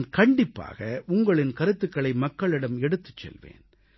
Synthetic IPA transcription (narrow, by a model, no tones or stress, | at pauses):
nkɐɳɖɪpːa̰ːɣɐʔʊŋɡɐɭɪnkɐɾɯt̪ːɯkːɐɭɐɪmɐkːɐɭɪɽɐmɛɽɯt̪ːɯ̥t͡ʃːɛ̰lʋḛːn